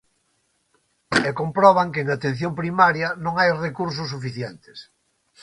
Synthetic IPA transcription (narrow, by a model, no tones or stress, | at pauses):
ekompɾɔβ̞aŋkeeŋat̪ẽn̟θjompɾimaɾjɐnõŋajrekuɾs̬ʊsːufiθjɛnt̪ɪ̥s